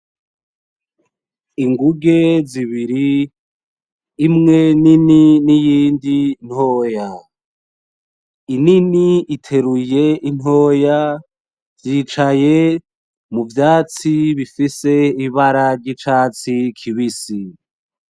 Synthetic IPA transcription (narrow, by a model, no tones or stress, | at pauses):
iŋɡuɡe̞ziβiɾi | mŋe̞nininijiːndin̥ho̞ːja | ininiitʰe̞ɾuje̞ʔin̥ɦo̞ːja | vjiːt͡ʃaje̞ | muvjaːt͡siβifise̞iβaɾaɾɟit͡ʃaːt͡sikʰiβisi